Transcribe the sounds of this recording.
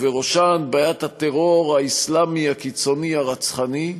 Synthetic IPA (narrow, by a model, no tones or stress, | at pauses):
veʁoʃanbajat̪hat̪eʁoʁaislamiakit͡so̞niaʁat͡sχani